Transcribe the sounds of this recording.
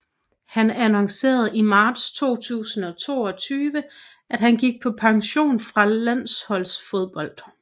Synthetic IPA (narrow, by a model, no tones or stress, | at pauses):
hænænɒ̽ŋse̝̰ːɐð̩ˠimɑ̈ːd̥st͡sʰo̝̰ːt͡sʰṵːsn̩ɒ̽t͡sʰo̝̰ːɒ̽t͡sʰyːʋə | ʔæd̥ɦænɡ̥iɡ̥̚pʰɒ̽pʰɑ̈ŋɕo̝̰ːnfʁɑ̈læn̰shɒ̽l̰sfo̝ð̞ˠb̥ɒ̽l̰d̥